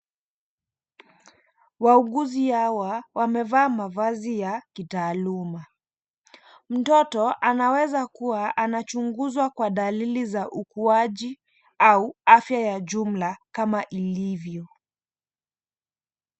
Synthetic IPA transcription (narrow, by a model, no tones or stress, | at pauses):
wauɠuzihawawamɛvaːmavazijakitaːluma | m̩tɔtɔʔanawɛzakuwaʔanat͡ʃuŋɡuzwakwaɗalilizaʔukuaʄi | auafjajaʄum̩lakamaʔilivjɔ